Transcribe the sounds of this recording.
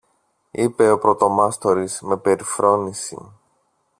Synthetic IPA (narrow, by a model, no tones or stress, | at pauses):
ipe̞o̞pɾo̞t̪o̞mɐst̪o̞ɾizme̞pe̞ɾifɾo̞nisḭ